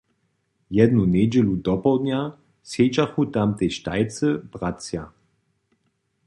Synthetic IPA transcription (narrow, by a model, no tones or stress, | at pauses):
jɛd̪nunʲɛd͡ʑɛlud̪ɔpɔwd̪nja | sjɛd͡ʒaxut̪amt̪ɛjʃtajt͡səb̥ʁasja